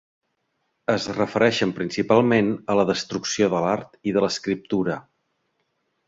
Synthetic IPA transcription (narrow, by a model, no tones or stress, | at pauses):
əzrəfəɾɛʃəmpɾinsipalˠmenələðəst̪ɾuksioðəlaɾt̪iðələskɾip̚t̪uɾə